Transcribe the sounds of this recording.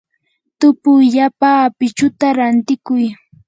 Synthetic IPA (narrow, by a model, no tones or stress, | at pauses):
t̪ʊpʊʎapaːpɪt͡ʃʊt̪aɾant̪ɪkʊj